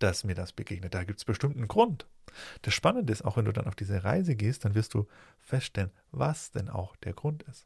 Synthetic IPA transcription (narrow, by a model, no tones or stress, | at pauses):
d̥asmiːɐdasb̥əɡeːɡnət̚d̥aːɡiːp̚tsb̥əʃtɪmtn̩ɡʁʊntd̥asʃpanəndəɪsta̰ʊxvɛnduːda̰nʔaʊfd̥iːzəʁa̰ɪzəɡeːst̚d̥anvɪɐstd̥uː | fɛstʃtɛlən | vasd̥ɛnʔa̰ʊxd̥eːɐɡʁʊntɪst